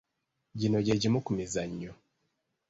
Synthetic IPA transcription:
ɟinoɟeɟimukumizaɲːo

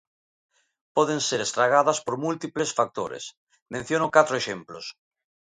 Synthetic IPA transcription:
pɔðeŋseɾest̪ɾaɣ̞aðɐspoɾmult̪iplesfak̚t̪o̰ɾḛs | mẽn̟θjonokat̪ɾoeʃemplos

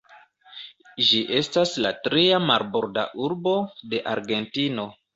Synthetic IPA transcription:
ʒiʔe̞staslatɾiamaɾboɾda̰ʔuɾbo̞de̞ʔaɾɡe̞ntino̞

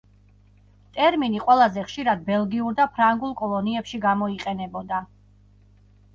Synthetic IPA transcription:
t̪ʼɛɾminiqʼwɛlˠazɛχʃiɾad̪̚bɛlˠɡiuɾd̪apʰɾaŋɡulˠkʼɔlˠɔniɛpʃiɡamɔiqʼɛnɛbɔd̪a

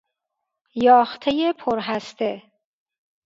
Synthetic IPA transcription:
jɒːxt̪ʰejepʰoɾɦæst̪ʰe

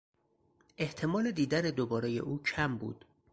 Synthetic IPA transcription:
ʔe̞ht̪ʰe̞mɒːle̞d̪iːd̪æɾed̪obɒːɾe̞je̞̰ʔuːcʰæmbṵːd̪̥

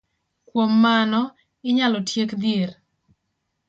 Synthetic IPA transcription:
kwomːanɔ | ɪɲalɔtjekd̪jeɾ

